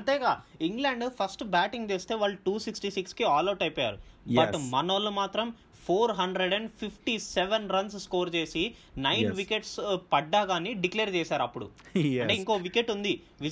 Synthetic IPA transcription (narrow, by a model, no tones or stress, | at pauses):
ɐnʈ̪ɛːɡaːiŋɡlaːɳɖpʰɐsʈbaːʈiŋɡt̪eːst̪eːʋaːɭːuʈuːsiksʈisikskiaːloːʈɐjpɔːja̰ːɾubɐʈmɐnɐlumaːt̪ɾɐm | pʰoːɾɦɐɳɖɾeɖɐɳɖpʰipʰʈiseʋenɾɐnsskoːɾt͡ʃe̞ːsinɐjnʋikeʈspɐɖːaːɡaːniɖikleːɾt͡ʃɛːsaːɾɐpːuɽṵɐɳʈeːiŋkoʋikeʈːund̪i | ʋi